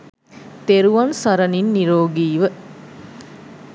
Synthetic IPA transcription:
t̪eɾuʋɐnsɐɾɐninːiɾoːɡiːʋə

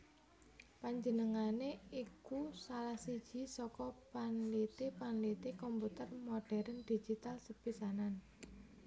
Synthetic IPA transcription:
paɲd͡ʒənəŋaneikusalahsid̥ʒ̥i̤sɔkɔpanlit̪epanlit̪ekɔmput̪ərmoɖ̥ɛɾənd̪̥i̥d͡ʒ̥it̪alsəpisanan

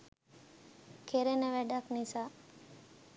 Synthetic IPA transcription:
kʰeɾenəʋæɖɐknisaː

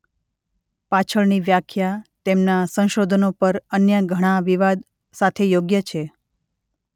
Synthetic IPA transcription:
pat͡ʃʰəɭniʋjakʰjat̪emnasə̃w̃ʃod̪ʱənopəɾənjəɡʱəɽ̃aʋiʋad̪ | sat̪ʰejoɡjət͡ʃʰe

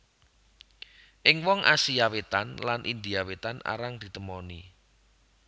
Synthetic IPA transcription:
ʔɪŋwɔŋʔa̰siawet̪anlanʔind̪iawet̪ana̰ɾaŋd̪̥i̤t̪əmɔni

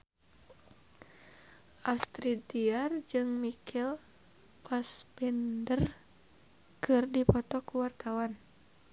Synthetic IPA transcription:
ʔast̪ɾidiard͡ʒɨŋmikʰɛl | pasbɛndər | kɨrdipɔt̪ɔkuwart̪awan

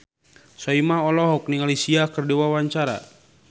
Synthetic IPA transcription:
sɔimaɔlɔɦɔk̚niŋalisiakərdiwawaɲt͡ʃaɾa̰

